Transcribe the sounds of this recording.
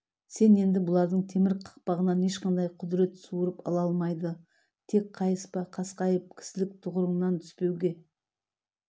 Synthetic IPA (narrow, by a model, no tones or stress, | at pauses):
se̞ne̞nd̪ɪbʊlˠɑɾd̪əɴt̪ʰe̞mɪɾqʰɑ̥q̚pɑʁənɑne̞ʃqɑnd̪ɑjqʰʊd̪ɾe̞t̪suwəɾəpɑ̰lˠɑlˠmɑjd̪ə | t̪ʰe̞k̚qʰɑjəspɑqʰɑsqɑjəp̚kʲʰɪ̥sɪlɪk̚t̪ʰʊʁəɾəɴnɑnt̪ʰʏ̥spe̞wɡʲe̞